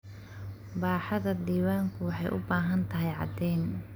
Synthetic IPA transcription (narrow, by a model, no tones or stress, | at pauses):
baːħɑðɐd̪iːwaːŋkʰʊwɑħɑjʔʊ̰baːɦɐnt̪ʰɐɦɛjʕɑ̰d̪ɛːn